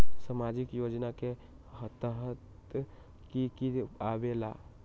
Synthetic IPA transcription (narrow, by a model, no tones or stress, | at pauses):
səmaːd͡ʒɪkjoːd͡ʒnake | hət̪əɦət̪ | kikiaʋela̰